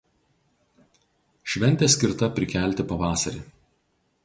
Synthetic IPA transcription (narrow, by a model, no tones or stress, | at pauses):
ʃʲʋʲɛnʲt̪ʲeːsʲkʲɪɾt̪ɐpʲɾʲɪkʲɛˑlʲt̪ʲɪpɐʋɑːsɐɾʲḛ